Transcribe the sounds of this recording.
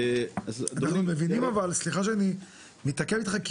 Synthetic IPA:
azanaχnumevinimavalsliχaʃ̬eani | mit̪akevit̪χak

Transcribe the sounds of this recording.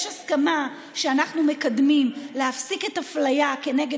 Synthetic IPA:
ʃaskama | ʃeanaχnume̞kadmimleafsiketaflajake̞ne̞ɡe

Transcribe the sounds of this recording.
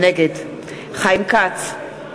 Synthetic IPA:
nɛɡed̪ | χajmkat͡s

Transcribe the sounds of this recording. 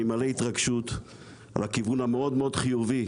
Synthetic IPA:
imalehit̪ʁaɡʃut̪ | a̰lakivunameo̞d̪meo̞d̪χijuvi

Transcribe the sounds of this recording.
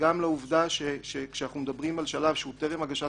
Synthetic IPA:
amleuvd̪aʃeʃekʃeanaχnumed̪abʁimalʃalavʃeut̪eʁemaɡaʃa

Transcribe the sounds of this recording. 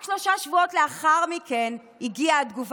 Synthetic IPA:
ʃloʃaʃvuo̞tleaχaʁmiken | iɡiaːd̪ɡuv

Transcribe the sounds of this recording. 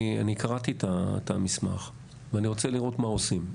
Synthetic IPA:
a̰nikʰaʁat̪it̪at̪a̰misma̰χ | veaniʁo̞t͡seliʁo̞t̪mao̞sim

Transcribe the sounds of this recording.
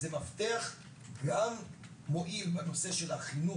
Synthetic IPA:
emaft̪eaχ | ɡamː | o̞ʔilbeno̞se̞ʃe̞laχinu

